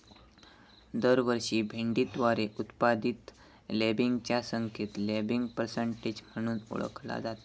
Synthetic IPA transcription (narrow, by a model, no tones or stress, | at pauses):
d̪əɾʋəɾɕiːbʱeɳɖit̪ʋaɾeʔut̪pad̪it̪ | lebiŋɡt͡ɕjasəŋkʰet̪lebiŋɡpəɾsəɳʈed͡ʑm̤əɽ̃uːnṵɭə̰kʰla̰d͡zat̪a